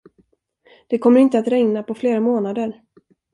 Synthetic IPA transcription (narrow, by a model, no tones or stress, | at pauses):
d̪̥ɛkʰɔmːəɾɪnt̪əat̪ɾɛŋnapʰɔfleːɾamoːnad̪əɾ